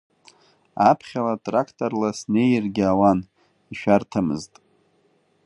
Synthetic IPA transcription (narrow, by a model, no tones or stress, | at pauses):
apʰχʲalatʼrakʰtʼorlasne̞jrɡʲawan | iʃᶣartʰamɨ̰ztʼ